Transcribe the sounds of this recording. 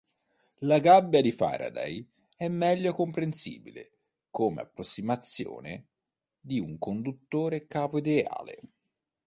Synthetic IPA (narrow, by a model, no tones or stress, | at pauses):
laɡabːjad̪ifa̰ɾa̰d̪a̰j | ɛmːɛʎːokompɾensḭːbilḛ | koːmḛa̰pːɾosːimat̪sːjo̰ːne | d̪iuŋkond̪ut̪ːoːɾekaːvoid̪ea̰ːlḛ